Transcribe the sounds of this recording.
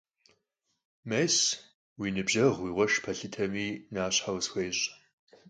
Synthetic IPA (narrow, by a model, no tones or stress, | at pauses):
mejs | winɨbʒɐʁwiːʁʷɔʂpʰɐɬɨtʰɐmiːnaːɕħawsxʷeːɕʼ